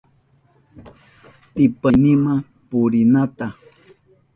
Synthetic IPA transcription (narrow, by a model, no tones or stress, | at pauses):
t̪ɪpanima | pʊɾinat̪a